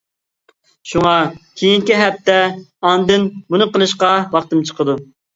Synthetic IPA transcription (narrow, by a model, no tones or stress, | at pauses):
ʃuŋɑkʲʰejiŋkʲiɦɛp̚t̪ːɛɑnd̪ɨnbunɨqəlˠɨʃqɑwɑχt̪ɨmt͡ʃʰə̥qəd̪u